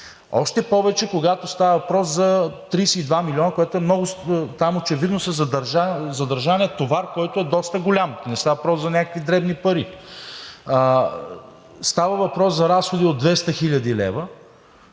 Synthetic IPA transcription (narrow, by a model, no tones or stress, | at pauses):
ɔ̰ʃt̪ɛpɔvɛt͡ʃɛkoɡat̪ost̪avəvɐpɾɔszɐt̪ɾijsɛid̪vamilʲiɔnəkoɛt̪oɛmnɔɡʊst̪amot͡ʃɛvid̪nosɛzɐd̪ɐɾʒazɐd̪ɐɾʒaniɛt̪ovaɾkɔjt̪oɛd̪ɔst̪əɡolʲamnɛst̪avɐvɐpɾɔszɐnʲakə̥kvid̪ɾɛbnipɐɾi | st̪avəvɐpɾɔszɐɾasxod̪iod̪̚d̪vɛst̪əxiʎʲɐd̪ilɛ̰və